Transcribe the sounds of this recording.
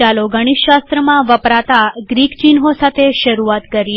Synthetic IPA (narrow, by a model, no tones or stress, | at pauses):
aloɡəɽ̃iʃʃast̪ɾəmãʋəpɾat̪aɡɾikt͡ʃinɦosat̪ʰeʃəɾuat̪kəɾi